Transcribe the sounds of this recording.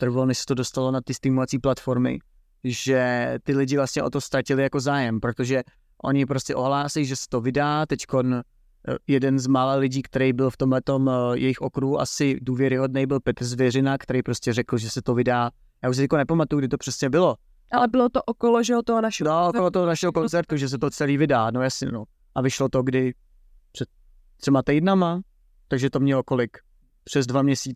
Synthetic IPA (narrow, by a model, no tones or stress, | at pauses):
t̪r̩valnɛʃsɛ̥t̪o̞dost̪alo̞nat̪ɪst̪ɪmovat͡siːplat̪fo̞ɾmɪ̰ | ʒɛt̪ɪlɪɟɪvlast̪ɲɛʔo̞t̪o̞st̪ɾacɪlɪjako̞zaːjɛmpɾot̪oʒɛ | ʔo̞̰ɲɪpɾo̞scɛʔo̞ɦlaːsɛjʒɛsɛ̥t̪o̞vɪdaːt̪ɛcko̞n | jɛdɛnzmaːlalɪɟiːkt̪ɛɾɛjbɪlft̪omɦlɛt̪o̞mjɛ̰jɪxʔo̞kɾuɦuʔa̰sɪduːvjɛɾɪɦo̞dnɛjbɪlpɛt̪r̩zvjɛrɪnakt̪ɛɾɛjpɾo̞scɛrɛkl̩ʒɛsɛt̪ovɪdaː | jaːuʃs̬ɪkonɛpamat̪ujuɡ̚dɪt̪o̞pr̥ɛsɲɛbɪlo | ʔalɛbɪlot̪oʔokoloʒɛot̪onaʃɛdoʔokolot̪oɦonaʃɛlko̞nt͡sɛɾt̪uʒɛs̬ɛt̪ot͡sɛliːvɪdaːnojasɲɛ̰no | ʔavɪʃlo̞t̪oɡdɪ | pr̥ɛt̪ː | rɛmat̪ɛjdnama | t̪aɡʒɛt̪o̞mɲɛloko̞lɪk | pr̥ɛzdvamɲɛsiː